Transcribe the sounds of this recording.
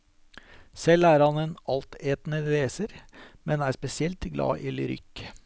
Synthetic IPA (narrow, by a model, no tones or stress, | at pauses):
sɛlːæːɾhɑneːnɑlt̪eːt̪nəʋeːsəɾmɛnæːɾspɛsɪɛlt̪ɡlɑ̰ːʔɪlʏɾʏ̰kː